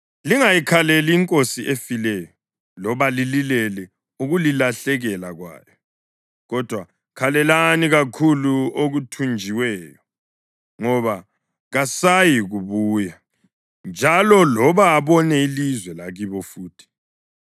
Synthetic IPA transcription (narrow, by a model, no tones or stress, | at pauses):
liŋajikʰaleliːŋkʼosiʔefilɛjɔ | lɔβalililɛlɛ | uɣulilaɬɛɣɛlaɣwa̰ːjɔ | ɣɔd̥ʱwa | kʰalɛlaniɣakʰuluoɣutʰund͡ʒʱiwɛːjɔ | ŋɔβa | ɣasajiɣuβuːja | nd͡ʒʱalɔlɔβaːβɔnɛilizwɛlaɣiβɔfuːtʰi̥